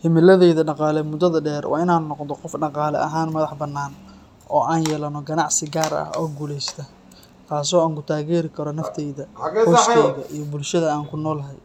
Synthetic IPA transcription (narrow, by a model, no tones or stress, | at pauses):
hɪmɪlɐðɛjðɐɖɑqɑːlɛmʊd̪ɐðɐɖɛːrwʔɑ̰ːɪnaːnnɔqd̪ɔqɔfɖɑqɑːlɛ̰ʔɐ̰ɦaːnmɐðɑħbɐnːaːn | ʔɔːʔaːnjɛːlɐnɔɡɐnɑʕsɪɡaːɾɐ̰hɔ̰ːɡuːlɛjst̪ʰɐ | t̪ʰaːs̬ɔːaːŋkʰʊt̪ʰaːɣɛːɾɪkʰɐɾɔnɐft̪ʰɛjðɐɔskʰɛjðɐʔijɔbʊlʃɐðɐaːŋkʰʊnɔːlɐɦɛj